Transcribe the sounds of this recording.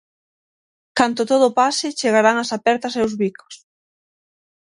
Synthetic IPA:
kant̪ʊt̪oð̞ʊpasɪt͡ʃeɣ̞aɾaŋasapɛɾt̪ɐseowzβiko̥s

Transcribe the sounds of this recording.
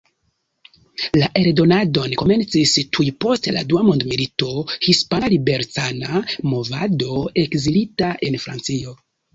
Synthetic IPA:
laʔe̞ɾdo̞nado̞nko̞me̞nt͡sistʰujpo̞stela̰duamondmilito̞hispanalibe̞ɾtanamo̞vado̞e̞kzilitaʔe̞nfɾa̰nt͡sio̞

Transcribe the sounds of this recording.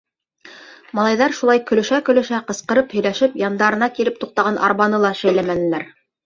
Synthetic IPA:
mɑlˠɑjðɑɾʃulˠɑjkɵ̆lɵ̆ʃækɵ̆lɵ̆ʃæqɤ̆sqɤ̆ɾɤphɵ̆jlæʃɘpjɑnd̪ɑɾɤ̆nɑkiɾɘp̚t̪uq̚t̪ɑʁɑnʔɑ̰ɾβɑnɤlˠɑʃæjlæmænɘ̆læɾ

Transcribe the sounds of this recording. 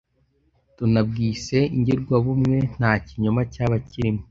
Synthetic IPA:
tunab̚ɡiːse̞iɲɟiɾɡwaβumŋe̞n̥aːciɲomacaːβaciɾimo

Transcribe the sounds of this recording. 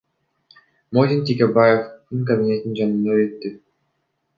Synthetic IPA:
mod̪ʲint̪ʲikʲebajefd̪ɯŋkɐbʲinʲe̞t̪ind͡ʒanɯnd̪øøt̪ːy

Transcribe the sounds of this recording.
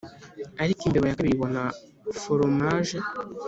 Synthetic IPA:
aɾikiːmbeβajakaβiβona | foɾomaʒe

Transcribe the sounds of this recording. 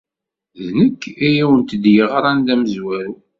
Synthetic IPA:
ðnəkːijæwənt̪əd̪jəʁɾˤɑnd̪æməzwæɾu

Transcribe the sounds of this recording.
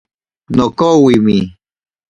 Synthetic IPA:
nokowimi

